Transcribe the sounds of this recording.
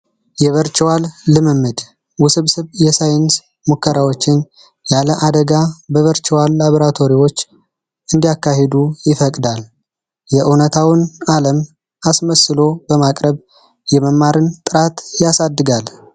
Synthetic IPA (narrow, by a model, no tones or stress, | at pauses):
jɛβəɾt͡ʃʼwalːɨmɨmːɨd̪ | wʊsɨβsɨβjɛsajns | mukʰːəɾawo̞t͡ʃːɪn | jaləʔad̪əɡabəβəɾt͡ʃʼwalːaβoɾat̪ʰo̞ɾiwo̞t͡ʃː | ɨnd̪ijakːaɦed̪ujɪfəkʼd̪al | jɛʔɨnət̪ʰawɨnaləm | asməsɨlo̞bəmakʼɾəβ | jɛməmːaɾɨnt̪ʼɨɾat̪jasad̪ːɨɡal